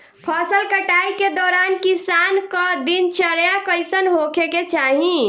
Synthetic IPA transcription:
pʰəsəlkəʈaiked̪ɔːɾankisankɔd̪int͡ʃəɾjakəjsənɦokʰeket͡ʃaɦĩ

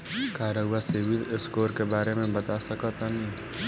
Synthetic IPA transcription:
kaːɾəuaseːʋizɪskoːɾkebaːɾemẽbɐt̪asɐkɔt̪anĩ

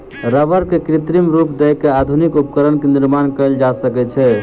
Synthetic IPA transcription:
ɾəʋəɾkekɾit̪ɾimɾupd̪ɛjkead̪ʱunikupkəɾənkeniɾmankəeld͡ʒasəkɛt͡ʃʰɛ

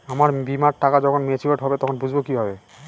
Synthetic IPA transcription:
amaɾbimaʈːakad͡ʑɔkʰonmet͡ɕʰiaʈɦɔbet̪ɔkʰonbud͡ʑʱbokibʱabe

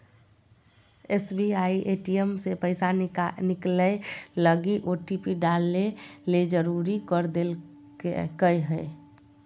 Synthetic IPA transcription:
esbiaiʔeʈiemsepəɪsanɪklələɡiʔoʈipiɖalːeled͡ʒəɾuɾikəɾd̪el | kəjɦəɪ

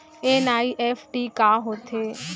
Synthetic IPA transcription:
enaːiʔɛfʰʈikaːɦoːt̪ʰeː

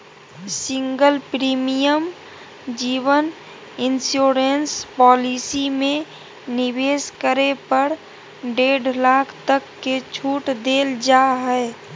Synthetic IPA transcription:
siŋɡəlpɾimijəm | d͡ʒiːʋən | ɪnsjoɾenspɔːlisimẽ | nibeskəɾepəɾ | ɖeɖlaːkʰt̪əkːet͡ʃʰuʈd̪eld͡ʒaɦɛe

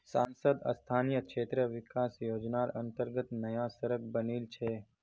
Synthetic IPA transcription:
saːnsəd̪ɐ̰st̪ʰaːnijəkʃeːt̪ɾəʋɪkaːsjoːd͡ʒnaːɾɐ̃nt̪əɾɡət̪nɐjasəɾək̚bəniːlt͡ʃʰɛː

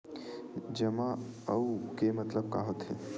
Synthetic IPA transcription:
d͡ʒəmãəukemət̪ləb̚ka̰ːɦot̪ɦḛ

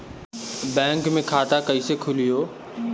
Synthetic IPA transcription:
bɛ̃ːŋkmẽkʰaːt̪akəisekʰʊlijoː

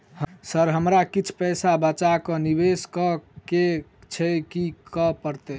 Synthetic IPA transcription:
hsəɾɦəmɾakit͡ʃʰpɛsabət͡ʃakɔnibeskɔket͡ʃʰɛkikɔpəɾt̪ɛ

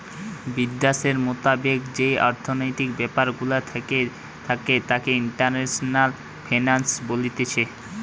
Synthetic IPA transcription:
bid̪ːaʃeɾmot̪abekd͡ʑejɔɾt̪ʰonojt̪ikbɛpaɾɡulat̪ʰ | t̪ʰaket̪akeiɳʈaɾneʃonal | fʰajnansbolit̪et͡ɕʰe

